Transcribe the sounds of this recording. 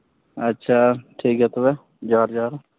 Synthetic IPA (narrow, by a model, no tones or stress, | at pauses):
ətːʃʰaːʈʰiːket̪obɛ | d͡ʒaːɾd͡ʒaːɾ